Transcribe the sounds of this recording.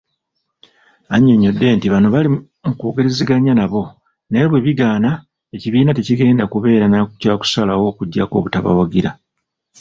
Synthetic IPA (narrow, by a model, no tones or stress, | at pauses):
aɲːe̞ɲːo̞dːe̞ːntiβano̞βali | mukoːɡe̞ɾe̞ziɡaɲanaβo̞ | ne̞βwe̞βiɡaːna | e̞ciβiːnateciɡe̞ːndakuβe̞ːɾanakcaːku̥salawo̞ːkuɟːa̰ko̞̰βutaβa̰waɡiɾa